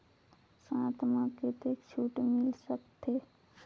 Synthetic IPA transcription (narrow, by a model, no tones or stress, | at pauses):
sãːt̪mãket̪ekt͡ʃʰuːʈmɪlsəkt̪ʰe